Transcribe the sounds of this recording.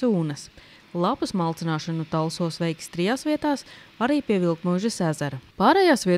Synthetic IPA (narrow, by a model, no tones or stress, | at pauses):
uːnɐs | lˠapusmalˠt̪sinaːʃanut̪alˠsuɔsʋɛjkst̪ɾijaːsviɛt̪aːs | aɾiːpʲiɛvilˠk̪muʒɐsæzaɾɐpaːɾɛjaːsvʲiɛ